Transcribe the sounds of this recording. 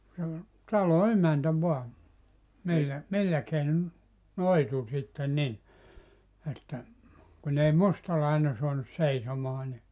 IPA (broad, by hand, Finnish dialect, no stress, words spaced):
se ol tɑlo emæntæ ʋoɑ milːæ milːæ keinon noitu sitːen nin etːæ kun ei mustɑlɑine suɑnus seisomɑː ni